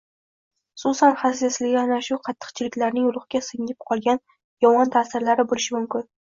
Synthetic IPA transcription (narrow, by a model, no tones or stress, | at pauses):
ʊ̥sʊsanhaseslɪɡʲɪanaʃʊqʰɑt̪ʰːɨ̥qt͡ʃʰɪlɪkʲlaɾnɪŋʊlˠʊχɡʲasɨŋɪp̚qʰɒlˠɡʲan | jɒmɒnt̪ʰasɪɾlaɾɪbolɪʃɪmʊmkʲɪn